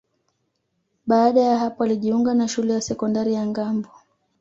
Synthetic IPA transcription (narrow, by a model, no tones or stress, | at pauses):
ɓaːɗajaɦapɔaliʄiuŋɡanaʃulɛjasɛkɔndaɾijaŋɡambɔ